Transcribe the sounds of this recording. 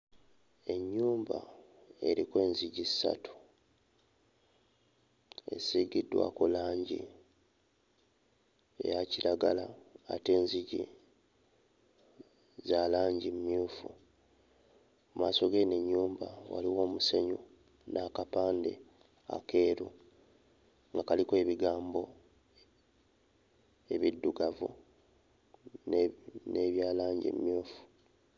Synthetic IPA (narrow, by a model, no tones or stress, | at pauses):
e̞ɲːuːmba̰ | e̞ɾikwe̞ːnziɟizi̥sa̰tu̥ | e̞̰siɡidːwa̰kolaːɲɟḭ | e̞̰jaciɾaɡalaːte̞ːnziɟḭ | zalaːɲɟimumjuːfu | maːso̞ɡe̞neɲːuːmbawa̰liwo̞ːmuseɲu | nʔaːkapaːnde̞̰ | a̰ke̞ːɾu | ŋɡakalikoe̞ːβiɡaːmbo̞ | e̞βidːuɡavu | nne̞βjaːlaːɲɟḭm̰mjuːfu̥